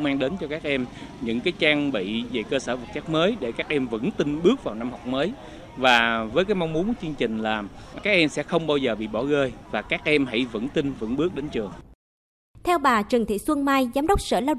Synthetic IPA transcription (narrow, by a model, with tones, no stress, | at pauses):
ŋ͡mmaː˧ŋɗe˨˦nt͡ɕɔ˧kaː˦˥k̚ʔɛ˧mɲɨ̰˧˥ŋkaː˨˦jt͡ɕaː˧ŋɓḭ˧˨ve˨˩kəː˧səː˧˩və˨˩t̚t͡ɕa˦˥k̚məː˨˦jɗe˧˩kaː˦˥k̚ʔɛ˧mvə̰˧˥nt̪i˧nɓɨ˦˥ək̚vaː˨˩wna˧mhɔ˨˩wk͡p̚məː˨˦j | vaː˨˩vəː˨˦jkaː˨˦jma˧wŋ͡mmu˨˦nkt͡ɕɨ˧əŋt͡ɕï˨˩ŋ̟laː˨˩kaː˦˥k̚ʔɛ˧msɛ̰˧˥xə˧wŋ͡mɓaː˧wzəː˨˩ɓḭ˧˨ɓɔ˧˩ɣəː˧jvaː˨˩kaː˦˥k̚ʔɛ˧mɦa̰˧˥˩jvə̰˧˥nt̪ï˧nvə̰˧˥nɓɨ˦˥ək̚ɗe˨˦nt͡ɕɨ˨˩əŋ | t̪ʰɛ˧wɓaː˨˩t͡ɕɨ˨˩ŋt̪ʰḭ˧˨swə˧ŋmaː˧jzaː˨˦mɗə˦˥wk͡p̚səː˧˩laː˧w